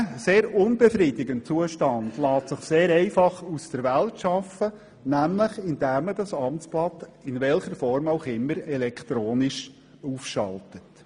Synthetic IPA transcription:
seːɾʊnbɛfɾidɪɡənt͡suəʃtɑnd̥lɑːtsɪχseːɾɛɪfɑχusd̥əɾʋæltʃɑfə | næmləχɪnd̥æːmədɑsɑmtt͡sb̥lɑdɪnʋɛlχəɾfɔrmaʊχɪmːəɾɛlɛkχt̪ɾoːnɪʃ | uːfʃɑ̰ltət

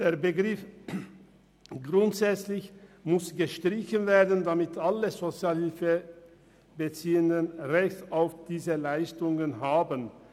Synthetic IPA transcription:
d̥eːɐbəɡʁɪf | ɡʁʊntz̥ɛt͡slɪçmʊsɡ̥əʃtʁ̥ɪçənveːɐdn̩damɪtʰʔaləzot͡sjaːlhɪlfə | bət͡siːəndənʁɛçtaʊfd̥iːzəlaɪstʊŋənɦaːbən

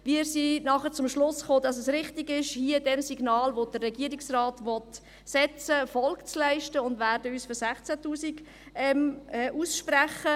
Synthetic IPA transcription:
viəɾsinɑχət͡sʊmʃlʊsχoːd̥ɑsəsɾɪχtiɡɪʃhiːədɛmsiɡnɑːlʋod̥ərːɛɡiəɾɪksraːtʋɔt | sɛt͡səfɔlkt͡slæɪʃtəʊndvæːɾdəyːsføɾsæχt͡sætuːsiɡ | ɛmɛːʔuːsʃpɾɛχə

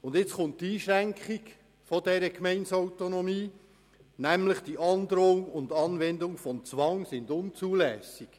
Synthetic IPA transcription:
ʊndɪt͡sχʊnttːiːʃɾæŋkχiɡ | fɔdɛɾəkmɛnsɔʊtonomiː | næmləχd̥iʔɑnd̪ɾoŋʊnd̪ɑnʋɛndʊŋfɔnt͡sʋɑŋsɪndʊnt͡suːlɛːsiɡ̥

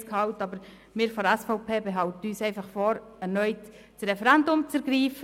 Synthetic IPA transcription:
skhɑʊtɑbəɾ | mɪːɾfɔɾɛsfɔʊpʰeːbeɦɑwtəyːsɛɪfɑχfɔɾɛɾnœʏt | sɾɛfɛɾɛndʊmt͡sɛɾɡɾiːfə

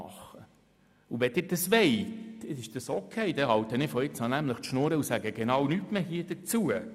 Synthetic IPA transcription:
ɑ̰χːə | uʋɛd̥ɪːɾd̥ɑsʋɛɪtɪɪʃd̥ɑsokʰeɪd̥̪ɛhɑwtənɪːfɔɪt͡sɑnæmləχt̪ʃnoːɾəusæɡəɡ̥enɑwnytmeːhiəd̥ət͡suə

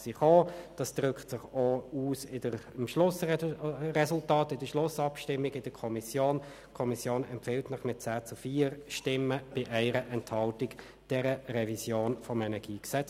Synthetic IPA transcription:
siχoːd̥ɑsd̥ʁʏkχtsɪχouːsɪdə | ɪmʃlʊs | rɛsʊltɑːtɪd̥əʃlʊsɑpʃtɪmːɪɡɪd̥əkʰɔmisjoːn | kʰɔmisjoːnɛmpfɪltnɑχmɪt̚t͡sæːt͡sufiːɾʃtɪmːəb̥ɪʔɛɪɾəʔɛnthɑltɪk | d̥ɛɾəʁɛvisjoːnfɔmɛnɛɡ̥iːksɛt͡s

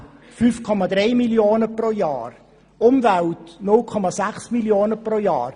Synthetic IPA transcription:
fyfkʰɔmɑd̪ɾɛjmiljoːnəproːjɑ̰ːr | ʊmvæltnʊlkʰɔmasæχsmiljoːnəproːjɑ̰ːɾ

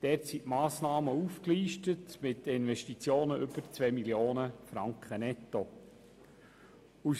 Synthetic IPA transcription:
d̪̥ɛɾtsiʔmɑːsnɑːməufkliːʃtətmɪt̚dəɪnvɛʃtit͡sjoːnəʔʏb̥əɾt͡svɛmiljoːnəfɾɑŋkχənɛtːo | u

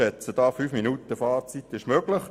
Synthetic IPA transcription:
ɛt͡səd̥ɑːfyːfminutəfɑːrt͡sit̪ːɪʃmøɡ̥lɪχ

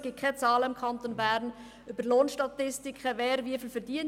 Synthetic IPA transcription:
ɡ̥ɪt̚kʰɛt͡sɑːləɪmkʰɑnt̪onbæːɾn | øb̥əɾloːnʃtɑt̪ɪstɪkʰχəvɛːɾʋiəfɪlfəɾd̥iən

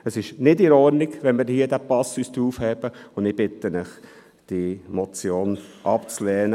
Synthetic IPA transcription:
əsɪʃnɪdɪɾɔɾnɪɡʋɛnmɪːɾhiədæpɑsyːsd̥̪ɾuːfhɛːb̥əʊndɪb̥ɪt̪ənɪχ | d̥imɔt͡sjoːnʔɑpt͡slɛːnə

